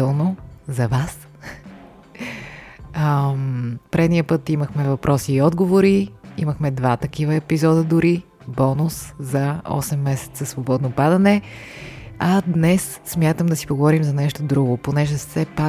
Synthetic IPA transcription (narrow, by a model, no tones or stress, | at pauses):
ɛlˠnozɐvas | ə | pɾɛd̪nijəpɤt̪iməxmɛvɐpɾʔɔsiːɔd̪ɡovoɾiḭməxmɛd̪vat̪ɐkivəɛpizɔd̪əd̪ʊɾi | bɔnʊszɐɔ̰sɛmːɛsɛ̥t̪səsvobɔd̪nopad̪ɐnɛ | ɐd̪nɛsːmʲjat̪əmd̪ɐsi̥poɡovɔɾimzɐnɛʃt̪od̪ɾuɡoponɛʒɛsɛpa